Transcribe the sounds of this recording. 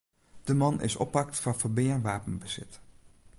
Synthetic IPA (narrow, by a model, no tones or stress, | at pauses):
d̥əmɑnʔɪ̰sɔ̰pɑk̚tfɑnvəɹbɪɹʋaːpənbəz̥ɪ̰t